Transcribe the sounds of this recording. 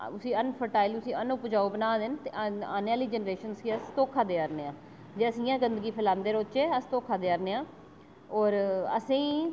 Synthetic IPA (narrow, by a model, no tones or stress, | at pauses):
ʊsĩːənpʰəʈaːilʊsĩːənʊpd͡ʒaːuːbənaːd̪ɪnt̪eʔaːnaːliːd͡ʒənɾeːʃənskiəst̪oːkʰaːd̪eːəɾneːãː | d͡ʒeːəsĩːãːɡənd̪əɡiːpʰəlãːnd̪eːɾoːt͡ʃeːəst̪oːkʰaːd̪eːəɾneːãː | ɔːɾə̰sĩː